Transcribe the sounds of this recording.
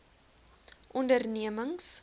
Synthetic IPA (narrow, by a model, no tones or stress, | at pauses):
ʔɔndərniəməŋs